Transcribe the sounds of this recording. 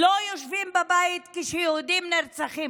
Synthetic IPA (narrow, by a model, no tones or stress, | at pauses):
lojoʃvimbabajit̪kiʃɛjoud̪imneʁt͡saχim